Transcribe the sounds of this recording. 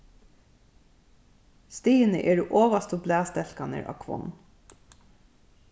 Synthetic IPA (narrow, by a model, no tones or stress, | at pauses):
st̪iːənəʔeːɖeːʔoːʋɑst̪əblæːst̪ɛlkɑnə̰ɹʔɑ̰ːʋkʰʋɔ̰n